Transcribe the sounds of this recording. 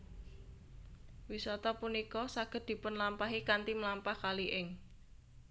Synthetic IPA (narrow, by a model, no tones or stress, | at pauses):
wisɔt̪ɔpunikɔsaɡ̥ə̤d̪̥i̤pʊnlampaɦikant̪iməlampahkaliʔɪŋ